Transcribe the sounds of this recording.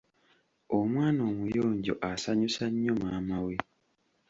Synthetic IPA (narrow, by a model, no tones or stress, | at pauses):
omwaːno̞ːmujo̞ːɲɟo̞̰ʔasaɲusaɲːo̞maːmawe